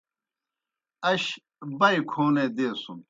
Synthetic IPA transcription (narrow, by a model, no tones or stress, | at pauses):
ɐɕ | bɐjkʰoːneːd̪eːsum